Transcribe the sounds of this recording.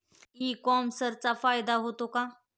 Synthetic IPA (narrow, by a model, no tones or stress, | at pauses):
iːkɔmsəɾt͡safaːjd̪aɦot̪oka